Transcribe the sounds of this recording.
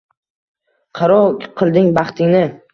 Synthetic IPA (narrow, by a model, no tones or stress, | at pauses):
qʰɑɾɒkʲqʰɨlˠd̪ɪŋbɑχt̪ʰɪŋnɪ